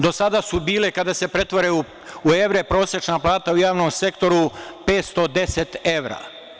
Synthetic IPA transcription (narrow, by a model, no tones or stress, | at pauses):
d̪o̞sad̪asubiːlekad̪asepɾe̞t̪ʋo̞ɾeu | ueʋɾepɾo̞ːset͡ʃnaplˠaːt̪aujaːʋnomse̞kt̪o̞ɾupe̞ːt̪st̪o̞d̪e̞set̪e̞ʋɾa̰ː